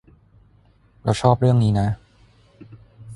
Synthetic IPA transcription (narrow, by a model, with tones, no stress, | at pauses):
ɾa˧wt͡ɕʰɔː˥˩p̚ɾɯ˥˩əŋniː˦˥na˦˥